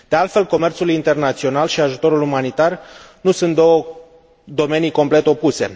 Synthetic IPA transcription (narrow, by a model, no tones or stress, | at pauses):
d̪̥e̞alt̪fe̞lko̞me̞rt̪sulint̪e̞rnat̪sio̞nalʃiaʒut̪o̞ɾulumanit̪ar | nusunt̪̚d̪o̞wə | d̪o̞me̞nijko̞mple̞t̪o̞puse̞̰